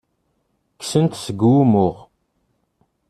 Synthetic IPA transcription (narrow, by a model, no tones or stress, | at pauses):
ksənt̪səɡumʊʁ